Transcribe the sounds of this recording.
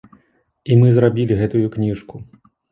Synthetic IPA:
imɨzɾabʲilʲiɣɛt̪ujuknʲiʂku

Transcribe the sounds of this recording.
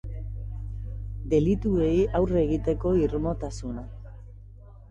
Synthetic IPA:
d̪e̞lit̪uejawre̞ɣit̪e̞ko̞iɾumo̞t̪asuna

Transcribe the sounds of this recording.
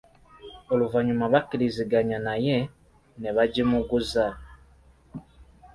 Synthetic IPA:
oluvaɲumaβakiɾiziɡaɲanaje | neβaɟimuɡuza

